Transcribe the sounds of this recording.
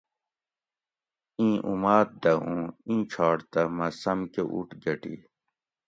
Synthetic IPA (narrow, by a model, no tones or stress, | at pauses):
ĩːʔumaːt̪̚d̪ɐũːĩːt͡ɕʰaːɽt̪ɐmɐsɐmkeʔṵʈɡɐʈḭ